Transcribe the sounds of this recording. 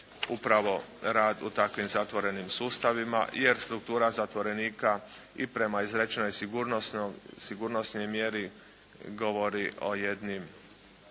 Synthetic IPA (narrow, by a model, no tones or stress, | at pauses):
upɾaʋo̞ɾaːd̪ṵt̪akʋimzat̪ʋo̞ɾe̞nimsuːst̪aʋima̰jeɾst̪ɾukt̪uːɾazat̪ʋo̞ɾe̞niːkaḭpɾe̞maizɾet͡ʃnojsɡuɾ | siɡuɾnosno̞jmje̞ɾi | ɡo̞ʋo̞ɾiʔo̞̰jed̪nim